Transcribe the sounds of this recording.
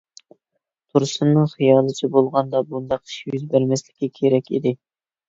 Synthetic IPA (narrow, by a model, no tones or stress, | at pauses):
t̪ʰuɾsɨnːɨŋχijɑːlˠɨt͡ʃʰɛbolˠʁɑnd̪ɑbund̪ɑqi̥ʃjyzbæɾmɛslɪ̥kʲʰːɛkʲʰeɾɛkʲḭd̪ɪ